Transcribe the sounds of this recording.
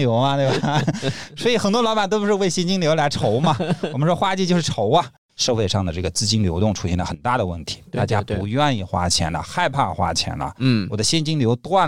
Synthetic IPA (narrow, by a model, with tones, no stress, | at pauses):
jo˧˥ʊmɐ˧t̪we˥˧˩ba˨˩swɔ˧˥i˨˩xə˨˩nt̪wɔ˥lɑ˧˥ba˨˩nt̪o˥pu˧ʂɻwe˥˩ɪɕjɛ˥nt͡ɕi˥ŋljo˧˥la˧˥ɪʈ͡ʂʰo˧˥ʊmɐ˨wmə˦ʂwɔ˥xwa˥t͡ɕi˥˧t͡ɕjʂ̩˥˩ʈ͡ʂʰo˧˥ʊɐ˧ | ʂɤ˥˧fe˥˧ɪʂɑ˥˩ŋd̪ə˩ʈ͡ʂɤ˥˩ɡə˩t͡sɹ̩˥t͡ɕi˥nljo˧˥ʊt̪ʊ˥˩ŋʈ͡ʂʰu̥˧˥ɕjɛ˥˩nd̪ə˩xə˨˩nt̪a˥˩d̪ə˩wə̰˥˩nt̪ʰi̥˧˥t̪a˥˧˩t͡ɕja̰˥pu˧˥ɥɛ˥˧ni˥˩xwa̰˥t͡ɕʰjɛ̰˧˥nɐ̰˧xa˥˧ɪpʰa˥˩xwa̰˥t͡ɕʰjɛ̰˧˥nlɐ̰˨˩wwɔ˨˩d̪ə˦ɕjɛ˥nt͡ɕi˥ŋljo˧˥ʊt̪wa˥˩n